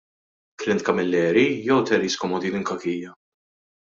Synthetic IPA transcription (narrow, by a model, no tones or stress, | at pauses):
kɾɪnt̪̚kɐmɪlːɛːɾijɔwt̪ɛɾiːskɔmɔd̪iːnɪŋkɐkiːjːɐ